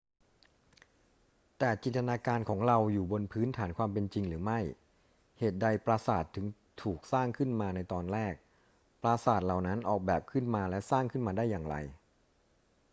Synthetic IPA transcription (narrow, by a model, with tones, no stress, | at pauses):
t̪ɛː˨˩t͡ɕi˨˩a˧naː˧kaː˧nkʰɔː˩˦ŋɾa˧wjuː˨˩bo˧npʰɯː˦˥nt̪ʰaː˩˦nkʰwaː˧mp̬e˧nt͡ɕi˧ŋɾɯː˩˦ma˥˩j | heː˨˩t̪̚da˧jpɾaː˧saː˨˩t̪ʰːɯ˩˦ŋ | t̪ʰuː˨˩k̚saː˥˩ŋkʰɯ˥˩nmaː˧na˧jt̪ɔː˧nɾɛː˥˩k̚ | pɾaː˧saː˨˩t̪̚la˨˩wna˦˥nʔɔː˨˩k̚bɛː˨˩p̚kʰɯ˥˩nmaː˧lɛ˦˥saː˥˩ŋkʰɯ˥˩nmaː˧daː˥˩jːaː˨˩ŋɾa̰˧j